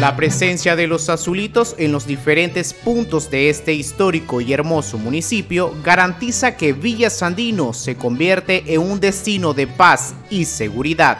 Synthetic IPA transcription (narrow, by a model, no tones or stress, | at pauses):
lapɾe̞se̞nsjaðe̞lo̞sasulit̪o̞se̞nlo̞zðife̞ɾe̞nt̪e̞spunt̪o̞zd̪e̞est̪e̞ist̪o̞ɾiko̞ie̞ɾmo̞so̞munisipjo̞ɣaɾant̪isake̞βiʝasand̪ino̞se̞ko̞mbje̞ɾt̪eʔeŋund̪e̞st̪ino̞ðe̞pas | ise̞ɣuɾiðað